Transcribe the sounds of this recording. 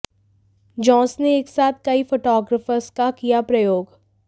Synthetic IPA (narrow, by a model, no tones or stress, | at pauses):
d͡ʒɔ̃ːsneeːksaːt̪̚ʰkɐifoːʈɔːɡɾəfəɾskakijapɾɐjoːɡ